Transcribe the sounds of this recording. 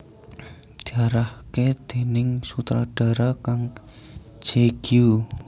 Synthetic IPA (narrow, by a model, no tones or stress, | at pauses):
d̪̥iaɾahked̪̥e̤nɪŋsut̪ɾaɖ̥a̤ɾakaŋ | d͡ʒ̥eɡ̥iju